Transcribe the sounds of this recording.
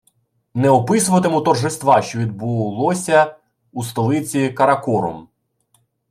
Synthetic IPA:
nɛɔpɪsʊʋɐt̪emut̪ɔrʒɪst̪ʋɑʃt͡ʃɔʋʲid̪̚bʊlˠɔsʲɐ | ust̪ɔlˠɪt͡sʲikɐɾɐkɔɾɔ̰m

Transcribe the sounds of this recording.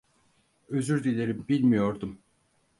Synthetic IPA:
øzyɾd̪ilʲeɾimbilʲmijo̞ɾd̪um

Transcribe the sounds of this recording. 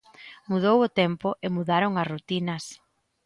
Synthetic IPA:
muð̞owʊt̪ɛmpʊʔɪmuðaɾʊŋɐsrut̪inɐs

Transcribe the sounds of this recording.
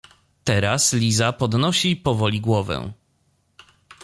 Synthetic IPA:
t̪ɛɾaslʲizapɔd̪nɔɕipɔvɔlʲiɡwɔvɛ̰̃

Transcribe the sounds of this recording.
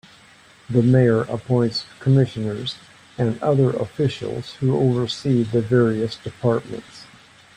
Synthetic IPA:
ðɨmeɪə˞ʔə̰pʰɔ̃ɪ̃ntskʰəmɪʃɨnə˞z | ɨ̃nʌðə˞ʔə̰fɪʃl̩ˠz̥huo̰ʊvə˞siðɨvɛɹiɨsd̥ɨpʰɑɹt̚mə̰̃nts

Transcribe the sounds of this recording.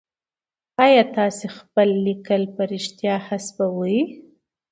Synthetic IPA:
ɑjɑt̪ɑsexpəlːikəlpəɾɪʃt̪jɑhasbawuji

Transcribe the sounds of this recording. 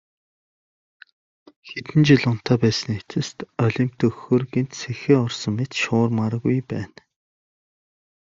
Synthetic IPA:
xet̪ɘ̆nt͡ɕiɮʊn̥t̪ʰaːpæːsə̆net̪ʰɘ̆st̪ɔɮʲĭm̥t̪ʰɵxoːrɡent̪sʰexeːɔrsɞ̆ŋmet̪ʃʊːrmaɾə̆ɣujpæːn

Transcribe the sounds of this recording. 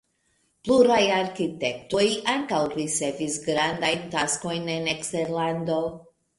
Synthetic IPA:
pluɾajaɾkite̞ktojʔaŋkawɾit͡se̞visɡɾandajntasko̞jne̞nekste̞ɾlando̞

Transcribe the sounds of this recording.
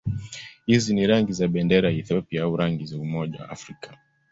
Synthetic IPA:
hiziniɾaŋɡizaɓɛndɛɾaiθiɔpiaauɾaŋɡizaumɔʄa̰wa̰ːfɾikḁ

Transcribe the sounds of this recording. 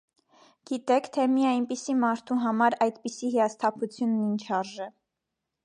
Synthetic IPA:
ɡ̥it̪ɛkʰt̪ʰɛmijɑjnpisimɑɾt̪ʰuɦɑmɑɾɑjd̪pisiɦijɑst̪ʰɑpʰut͡sʰjunːint͡ʃʰɑɾʒɛ

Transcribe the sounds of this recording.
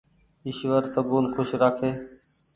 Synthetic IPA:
ɪʃʋəɾsəbuːnxʰʊʃɾaːkʰeː

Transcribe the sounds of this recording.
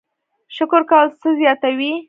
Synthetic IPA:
ʃʊkʊɾkɑlt͡səzjɑt̪awi

